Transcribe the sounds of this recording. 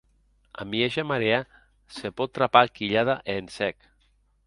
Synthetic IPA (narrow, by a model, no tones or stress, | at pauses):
a̰mieʒamaɾea | sepɔt̪ːɾapakiʎaðaʔensɛk